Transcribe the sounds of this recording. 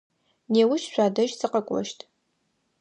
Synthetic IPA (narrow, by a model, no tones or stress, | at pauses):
neːwʊʃɕʷaːdɐʒsɨqɐkʷʼɔ̰ʃtʰ